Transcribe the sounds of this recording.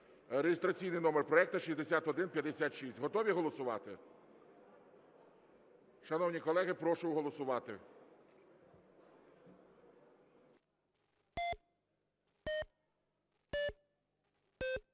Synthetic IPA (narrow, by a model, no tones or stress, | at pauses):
ɾeɦɪst̪ɾɐt͡sʲijnɪjnɔmerpɾɔɛk̚t̪ɐʃizʲd̪esʲat̪ɔd̪ɪnpʲjɐd̪esʲat̪ʃisʲtʲɦɔt̪ɔʋʲiɦɔlˠɔsʊʋɑ̰t̪ɪ̰ | ʃɐnɔwnʲikɔlˠɛɦɪpɾɔʃʊjɦɔlˠɔsʊʋɑt̪ɪ̰